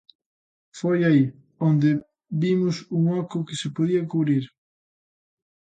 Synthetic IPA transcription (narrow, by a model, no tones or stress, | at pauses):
fojai | ond̪ɪ | bimʊsuŋɔkʊkɪsɪpoðiɐkuβɾiɾ